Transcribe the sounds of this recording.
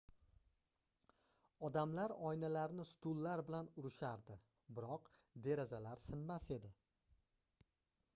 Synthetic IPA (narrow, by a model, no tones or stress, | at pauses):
ɒd̪amlaɾɒjnalaɾnɪst̪ʊlːaɾbɪlanʊɾɪʃaɾd̪ɪ | bɪɾɒqd̪e̞ɾazalaɾsɪnmase̞d̪ɪ